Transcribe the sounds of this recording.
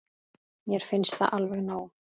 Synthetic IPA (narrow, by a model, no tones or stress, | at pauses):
jɛɾ̥fɪnst̪θaʔalvɛɣnaːw